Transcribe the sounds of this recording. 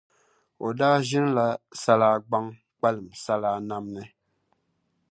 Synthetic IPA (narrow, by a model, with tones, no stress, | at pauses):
o˨daː˦ʒɪ˦n˦la˨sa˦laː˦ɡ͡ba˦ŋ | k͡pa˦lɨ˨m˨sa˦laː˦na˦mnɨ˦